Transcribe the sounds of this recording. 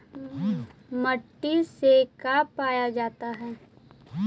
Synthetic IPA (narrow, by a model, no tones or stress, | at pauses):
məʈːisekapaːjad͡ʒaːt̪aɦɛː